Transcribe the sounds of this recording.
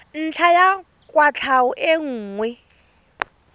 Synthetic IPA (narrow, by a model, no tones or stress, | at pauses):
n̩t͡ɬʰaja | kʼwat͡ɬʰaʊʔɪŋ̩ːŋwɛ